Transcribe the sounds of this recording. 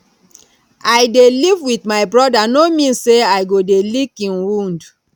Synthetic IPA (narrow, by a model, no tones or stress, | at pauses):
ajdelivwitmaɪbɹɔdanomĩnseajɡodelikĩnwũnd